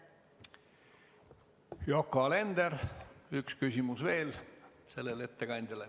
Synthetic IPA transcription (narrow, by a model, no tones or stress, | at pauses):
jokːɑle̞nd̪̥eɾykskysʲimusve̞ːl | se̞lːele̞t̪ːe̞kɑnʲd̪̥ʲɑle